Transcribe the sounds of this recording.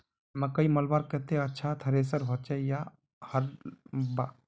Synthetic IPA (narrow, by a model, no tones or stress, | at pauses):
məkəiməlbaɾkət̪eətːʃʰat̪ʰəɾes̬əɾɦot͡ʃɛja | həɾba